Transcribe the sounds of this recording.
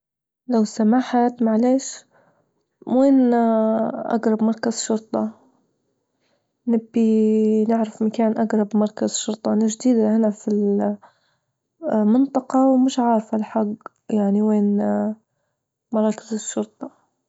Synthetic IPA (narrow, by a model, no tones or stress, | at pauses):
lawsamaːħat̪maʕleːʃ | weːn | ʔa̰ɡɾˤɑbmɑɾˤkaz̥ʃʊɾt̪ˤɑ | nɪbːinɪʕɾɪfmakaːnʔaɡɾˤɑbmɑɾˤkazʃʊɾˤt̪ˤɑʔnaʒd̪iːd̪hɪnafil | mɪnt̪ˤɑqɑwmɪʃʕɑːɾˤfalħaɡ | jaʕniweːn | mɑɾˤɑːkɪzɪʃːʊɾt̪ˤɑ